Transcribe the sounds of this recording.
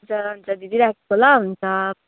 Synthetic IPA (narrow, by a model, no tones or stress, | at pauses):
t͡sʌɦunt͡sʌd̪id̪iɾakkolaɦunt͡sʰʌ